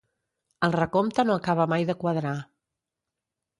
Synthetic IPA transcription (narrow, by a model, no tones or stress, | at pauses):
əlˠrəkomt̪ənoəkaβ̞əmajðəkwəðɾa